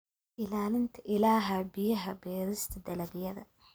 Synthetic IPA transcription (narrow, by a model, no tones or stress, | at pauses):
ʔɪlaːlɪnt̪ʰɐʔɪlaːɦɐbɪjɐɦɐbɛːɾɪst̪ʰɐd̪ɐlɐbjɐðɐ̰